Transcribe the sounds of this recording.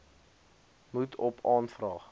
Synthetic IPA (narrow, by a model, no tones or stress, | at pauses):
mutʰɔpʰɑːnfrɑːχ